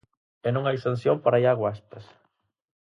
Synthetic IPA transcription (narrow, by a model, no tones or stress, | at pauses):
enõŋajsanθjompaɾajaɣwaest̪ɐs